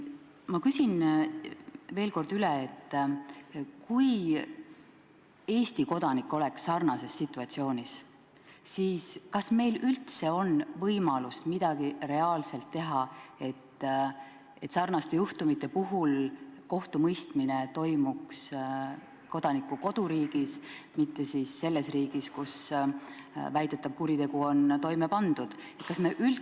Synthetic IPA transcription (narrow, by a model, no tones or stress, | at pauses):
mɑkysin | veːlko̞rd̪̥yleet̪ːˑ | kuj | e̞ːst̪iko̞d̪̥ɑnikːˑo̞le̞ksːɑrnɑse̞sːit̪ːˑuɑt̪sio̞ːnʲis | siːskɑsme̞jlylt̪se̞o̞nvɤjmɑlust̪mid̪̥ɑɡ̥ire̞ɑːlselt̪ːe̞ɦɑe̞t̪ː | e̞t̪sɑrnɑst̪e̞juht̪umit̪ːˑe̞puɦulko̞ht̪umɤjst̪mine̞t̪o̞jmuks | ko̞d̪̥ɑnikːuko̞d̪̥uɾiːɡ̥ismit̪ːe̞sisːe̞lːe̞sriːɡ̥iskus | væjd̪̥e̞t̪ːˑɑb̥̚kuɾit̪e̞ɡ̥uont̪o̞jme̞pɑnd̪̥ud̪̥e̞t̪̚kɑsme̞ʔyl